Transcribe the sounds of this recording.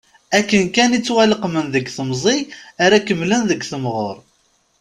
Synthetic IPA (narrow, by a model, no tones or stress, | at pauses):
ækːənkænit͡sːwæləqmənðəɡθəmzˤiaɾækəmːlənðəɡθəmʁoɾˤ